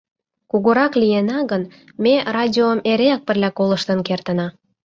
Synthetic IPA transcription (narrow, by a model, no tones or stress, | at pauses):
kuɣoɾɑklijenɑɣən | merɑdʲioəmeɾeɑk̚pə̆rlʲɑkoləʃt̪ənkert̪ənɑ